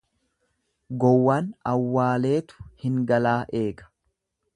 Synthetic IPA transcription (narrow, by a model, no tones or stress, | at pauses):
ɡɔwːaːnɐwːaːle̞ːt̪ʊ̥hɪŋɡɐlaːʔe̞ːkɐ̥